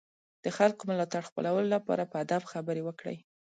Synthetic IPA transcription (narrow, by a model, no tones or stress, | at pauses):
d̪̥əxalkomʊlɑt̪aɽxpə̰lawəlolapɑ̰ɾapəad̪afxabəɾewəkɽə̰j